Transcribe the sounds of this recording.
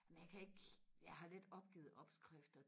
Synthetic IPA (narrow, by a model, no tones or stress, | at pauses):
æmnjɑ̈ɪkʰæe̝ɡ̥jɑɪɦɑ̈led̥ɒ̽b̥̚ɡ̥ḭːð̩ˠɒ̽b̥sɡ̥ʁaɛfd̥ɐ